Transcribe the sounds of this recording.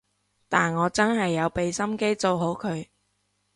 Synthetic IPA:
t̪aː˨nŋɔː˨˧t͡sɐ˥nɦɐ˨jːɐ˨˧wpe˨jsɐ˥mke˥jt͡so˧wɦo˨˥wkʰɵ˨˧ɥ

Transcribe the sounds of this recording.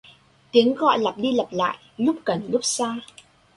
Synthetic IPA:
t̪i˨˦əŋɣɔ̰˧˨jla˨˩p̚ɗi˧lə˨˩p̚la̰ː˧˨jlʊ˦˥k͡p̚kə˨˩nlʊ˦˥k͡p̚saː˧

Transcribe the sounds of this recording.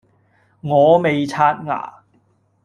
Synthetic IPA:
ŋɔː˨˧me˨jt͡sʰaː˥t̚ŋa̰ː˨˩

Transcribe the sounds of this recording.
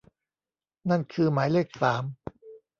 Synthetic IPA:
na˥˩nkʰɯː˧maː˩˦jle˥˩k̚saː˩˦m

